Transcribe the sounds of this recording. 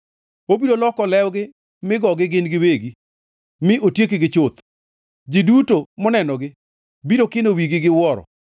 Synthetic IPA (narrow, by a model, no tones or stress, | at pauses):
obiɾolɔkɔlɛwɡɪ | mɪɡɔɡɪɡɪnɡɪweɡi | mɪʔotjekɪɡɪt͡ʃot̪ | d͡ʒɪdutomɔnɛnɔɡɪ | biɾokɪnowiɡɪɡɪwɔɾɔ̰